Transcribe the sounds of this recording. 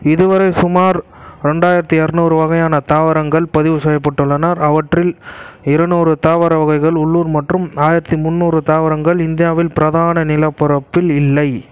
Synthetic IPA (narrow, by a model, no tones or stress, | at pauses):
ɪðɯʋɐɾɐɪsʊmaːɾɾɛɳɖaːjɪɾɐt̪ːiɐɾnuːɾɯʋɐɣɐjaːnɐt̪aːʋɐɾɐŋɡɐɭpɐðɪʋɯsɐjɐpːɐʈːɯɭːɐnaːɾɐʋɐʈrɪlɪɾɐnoːɾɯt̪aːʋɐɾɐʋɐɣɐɪɣɐɭʊɭːuːɾmɐʈrɯmaːjɪɾɐt̪ːimʊnːuːrɯt̪aːʋɐɾɐŋɡɐɭɪnd̪ɪjaːʋɪlpɪɾɐðaːnɐnɪlɐpːɐɾɐpːɪlɪlːɐɪ